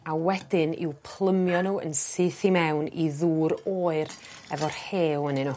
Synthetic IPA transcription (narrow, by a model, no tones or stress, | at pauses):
awɛdɪnɪ̰wpʰlˠəmjɔnuːə̰nsɨθimɛwniðuːɾoːɨr | ɛvɔrheːwənɨnuː